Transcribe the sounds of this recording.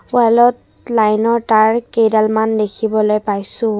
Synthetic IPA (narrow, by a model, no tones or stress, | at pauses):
walɔt | lajnɔɹtaɹkedalmandekʰibɔlojpajsʊ̃